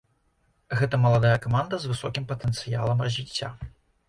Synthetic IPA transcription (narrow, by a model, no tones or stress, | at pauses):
ɣɛt̪ɐmɐlˠad̪ajɐkamand̪ɐzvɨsɔkʲimpɐt̪ɛnt̪sɨjalˠɐmrɐzʲvʲit͡sʲːa̰